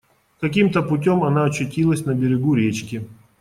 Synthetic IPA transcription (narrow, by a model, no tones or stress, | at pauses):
kɐkʲimt̪əpʊtʲomɐnaɐt͡ɕːʊtʲilˠəsʲnəbʲɪɾʲɪɡuɾʲet͡ɕkʲɪ